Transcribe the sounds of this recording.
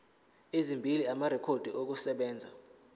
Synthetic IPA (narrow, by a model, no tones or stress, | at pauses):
ezimbʱiliamaɾɛkʰod̥ʱiʔok̬usɛɓɛːnd͡zʱa